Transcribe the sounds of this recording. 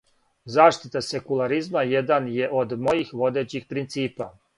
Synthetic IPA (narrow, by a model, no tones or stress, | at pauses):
zaːʃt̪it̪asekulˠaɾizmajed̪anje̞ʔo̞d̪mo̞jixʋo̞d̪e̞ːt͡ɕixpɾint̪siːpa